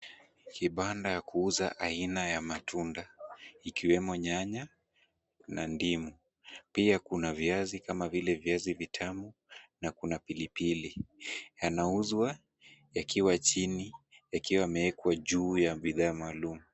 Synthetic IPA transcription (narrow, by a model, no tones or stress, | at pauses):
kiɓandajakuuza̰ʔainajamatundaikiwɛmɔɲaɲa | nandimu | piakunavjazikamavilɛvijazivitʰamunakunapilipilijanauzwa | jakiwat͡ʃinijakiwamɛɛkwaʄuːjaɓiðaːmaːlumu